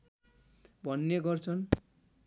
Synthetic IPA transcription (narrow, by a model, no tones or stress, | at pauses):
bʱʌnːeɡʌrt͡sʰʌn